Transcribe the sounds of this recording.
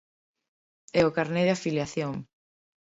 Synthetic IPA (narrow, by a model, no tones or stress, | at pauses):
ɛʊkaɾneðeafiljaθjoŋ